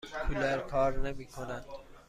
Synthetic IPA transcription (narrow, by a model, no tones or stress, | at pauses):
kʰulæɾkʰɒːɾnemiːkʰonænd̪̥